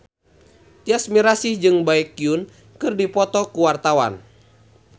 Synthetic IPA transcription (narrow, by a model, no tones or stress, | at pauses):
t̪iasmiɾasihd͡ʒɨŋbaɛkːiun | kɨrdipɔt̪ɔkuwart̪awa̰n